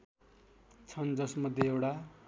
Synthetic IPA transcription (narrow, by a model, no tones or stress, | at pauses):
t͡sʰʌnd͡zʌsmʌd̪ʱjeewɽa